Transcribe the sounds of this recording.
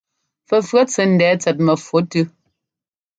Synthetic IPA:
fə˨fɰə˦t͡sɛ˨˦n̩˨dɛː˨˦t͡sɛ˨t̬̚mə˨fwo˨˦tʉ˦

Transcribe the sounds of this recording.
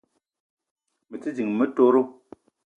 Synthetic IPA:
mə˨t͡si˦d͡ʒi˨ŋmə˦to˦ɾo˦

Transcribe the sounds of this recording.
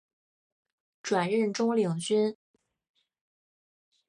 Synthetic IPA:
ʈ͡ʂwa˨˩nɻə˥˩nʈ͡ʂʊ˥ŋli˨˩ŋt͡ɕy˥n

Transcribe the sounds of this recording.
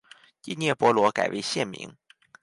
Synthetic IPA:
i˥˧njɛ˥˩pwɔ˧˥lwɔ˧˥ka̰˨˩ɪwʔḛ˧˥ɪɕjɛ˥˩nmḭ˧˥ŋ

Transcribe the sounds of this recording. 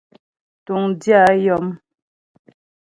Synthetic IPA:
tu˨ŋdja˦jɔ˦m

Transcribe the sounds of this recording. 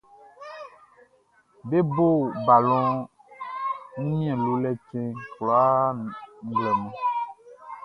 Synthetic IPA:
be˦bo˦˨ba˨lɔ̃˦ | ŋũ˦ɲĩ˦ɛ̃˨lo˨lɛ˦t͡ʃɛ̃˦klɔ˨a˦ŋ̩˦˨ɡlɛ˨nɔ̃˨

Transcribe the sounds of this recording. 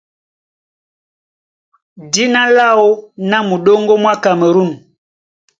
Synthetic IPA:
di˦na˦la˦˨wo˦na˦mu˨ɗo˦ŋɡo˦mwa˦ka˨mə˨ɾu˦˨n˨

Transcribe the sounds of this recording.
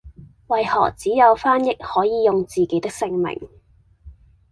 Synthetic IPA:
wɐ˨jhɔ̰ː˨˩k̚t͡siː˨˥jɐ˨˧wfaː˥njɪ˥k̚hɔː˨˥jiː˨˧jʊ˨ŋt͡siː˨˩ke˨˥jt̪ɪ˥k̚sɪ˧ŋmɪ̰˨˩ŋ

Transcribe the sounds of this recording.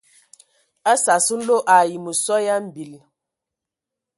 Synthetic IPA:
a˦sa˨su˦n̩˦lo˦ʔa˨ji˨mu˨sɔ˦ja˦m̩˦bi˨l

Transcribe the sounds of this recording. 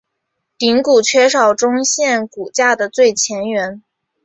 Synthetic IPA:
t̪i˧˥ŋku˨˩t͡ɕʰɥɛ˥ʂɑ˨˩ʊʈ͡ʂʊ˥ŋɕjɛ˥˩nku˨˩t͡ɕja˥˩d̪ə˩t͡swe˥˩ɪt͡ɕʰjɛ˧˥nɥɛ˧˥n

